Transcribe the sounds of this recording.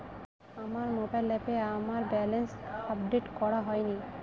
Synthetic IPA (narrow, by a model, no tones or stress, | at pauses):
amaɾmobajlɛpeamaɾbɛlensap̚ɖeʈkɔɾaɦɔjni